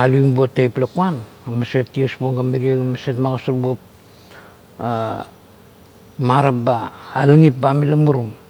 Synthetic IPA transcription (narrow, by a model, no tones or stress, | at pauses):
aluiŋbotːejplakuan | amasetːiosboŋɡamiɾieɡamasetmaɡasuɾbop | maɾapbaːliŋip̚bamilamuɾum